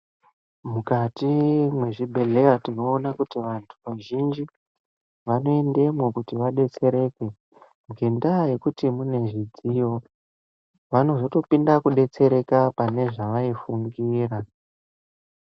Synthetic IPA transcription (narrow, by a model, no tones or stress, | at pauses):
mukatimwe̞ʐibʱe̞le̞jatino̞ːnakutiʋantʰuʋaʒind͡ʒi | ʋano̞ende̞mokutiʋaɗe̞t͡se̞ɾe̞kwe̞ | ŋɡe̞ndaje̞kutimune̞ʐid͡zijo̞ | ʋano̞zo̞to̞pindakuɗe̞t͡se̞ɾe̞kapane̞ʐaʋaifuŋɡiːra